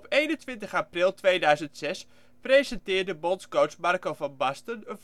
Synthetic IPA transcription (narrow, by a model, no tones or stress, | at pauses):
ɔpejnəntʋɪntəχaprɪlˠtʋejdœɥzəntsɛs | prejzɛntɪːɹdəbɔnskowsmarkowvɑnbɑstənənv